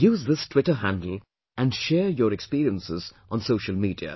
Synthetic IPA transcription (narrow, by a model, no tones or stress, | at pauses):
juːzðɪstʰw̥ɪʈəɦæ̃ndəl̩ | ʔæ̃nɖʃɛːɹjəːɾɛkspiːɾiə̃nsɪzʔə̃nsoʊʃəlmiːdiə̰